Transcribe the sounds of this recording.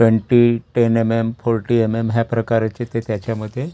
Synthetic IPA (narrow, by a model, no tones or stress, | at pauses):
ʈʋeɳʈiʈenememfoɾʈiememɦjapɾəkaɾat͡set̪et̪jat͡ɕjaməd̪ʱːje